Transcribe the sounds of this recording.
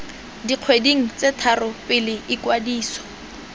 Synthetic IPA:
diq͡χʰwediŋ̩t͡setʰarʊpɪlɪʔɪkwadiːsɔ̥

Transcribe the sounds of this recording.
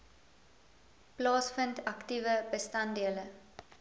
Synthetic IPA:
plɔːsfənt̪akt̪iːʋəbəst̪and̪ieələ

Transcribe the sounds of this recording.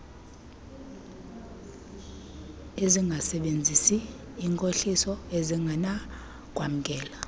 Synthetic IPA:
eziŋɡʱasɛɓend͡zʱisiː | ŋkʼoɬisɔeziŋɡʱana | k̬ʼwam̩kʼɛːla

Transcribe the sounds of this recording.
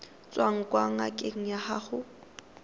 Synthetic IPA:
t͡sʼwaŋ̩kʼwaŋ̩akʼeŋ̩jaha̰χʊ

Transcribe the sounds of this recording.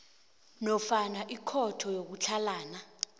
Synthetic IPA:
nɔfanaʔikʰɔtʰɔjok̬ut͡ɬʰalaːna

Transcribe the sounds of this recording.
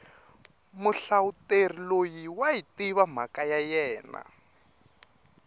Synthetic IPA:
muɬauterilojiwaitiβam̤akajajɛːna̰

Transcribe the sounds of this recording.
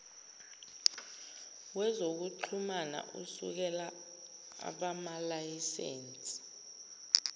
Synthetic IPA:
wɛzok̬uǃʰumana̰ʔusṵk̬ɛla | a̰ɓamalajisḛːnt͡sʼi̥

